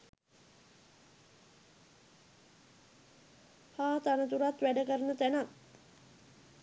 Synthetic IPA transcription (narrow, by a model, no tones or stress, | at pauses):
haːt̪anət̪uɾat̪ʋæɖəkəɾənət̪ænat̪